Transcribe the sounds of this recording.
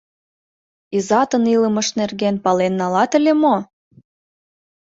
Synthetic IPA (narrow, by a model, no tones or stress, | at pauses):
izɑt̪əniləmə̆ʃnerɣenpɑlenːɑlɑt̪ə̆lʲemo